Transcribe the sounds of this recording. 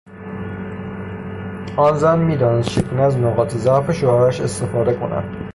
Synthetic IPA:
ɒːnzænmiːd̪ɒːnest͡ʃʰekʰoneæznoɣɒːt̪ʰezæfeʃoɒːɾæʃest̪efɒːd̪e̞kʰo̰næ̰d̪̥

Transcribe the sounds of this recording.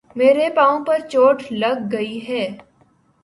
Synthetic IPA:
meːɾepãːõpɐɾt͡ʃoːʈʰlɐɡːɐiɦɛː

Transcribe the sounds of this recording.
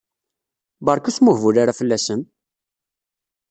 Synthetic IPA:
bɑɾˤkusmʊhvulaɾafəlːæsən

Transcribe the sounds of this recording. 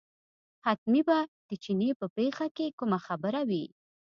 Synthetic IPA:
hat̪̚mibad̪̥ət͡ʃinepəpexakekumaxabəɾawi

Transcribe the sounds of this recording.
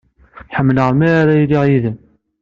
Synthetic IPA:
ħəmːəlʁəɾˤmiɾaɾæjliʁjiðəm

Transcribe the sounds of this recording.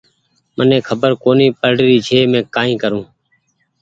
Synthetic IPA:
mənẽːkʰəbəɾkoːniːpəɽɾiːt͡ʃʰeːmẽːkaːĩːkəɾũː

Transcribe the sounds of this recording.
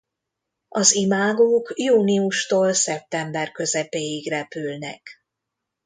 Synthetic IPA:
ɒzimaːɡoːkjuːniuʃt̪oːlsɛp̚t̪ɛmbɛrkø̞zɛpeːjiɡrɛpylnɛ̰k

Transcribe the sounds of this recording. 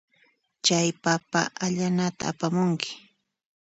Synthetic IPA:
t͡ʃajpapa̰ʔaʎanat̪a̰a̰pamʊŋkɪ̥

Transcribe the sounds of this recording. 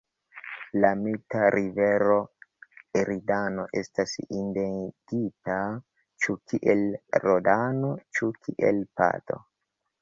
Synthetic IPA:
lamitaɾʔiveɾo̞ | eɾidano̞ʔestasindendita | t͡ʃukiʔelɾodanot͡ʃukʰiʔḛlpa̰to̞̰

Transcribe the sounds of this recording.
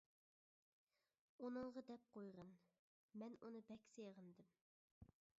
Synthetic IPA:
unɨɴʁɑd̪ɛp̚qʰojʁən | mɛnunɨbɛkʲsejʁənd̪ɨm

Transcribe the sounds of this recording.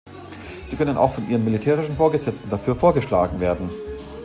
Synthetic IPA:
z̥iːkʰœnənʔa̰ʊxfɔnʔiːʁənmilitʰɛːʁ̞ɪʃn̩foːɐɡəzɛt͡stn̩dafyːɐfoːɐɡəʃla̰ːɡŋ̩veːɐdn̩

